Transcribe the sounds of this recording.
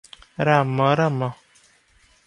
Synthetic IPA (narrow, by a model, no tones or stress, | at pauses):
ɾamɔ̃ɾamɔ